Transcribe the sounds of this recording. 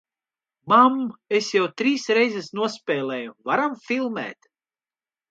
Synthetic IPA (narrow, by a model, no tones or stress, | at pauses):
mamesjawt̪ɾiːsɾɛjzɛsnuɔspʲɛːlˠɛːjuvaɾamfʲilˠmæ̰ːt̪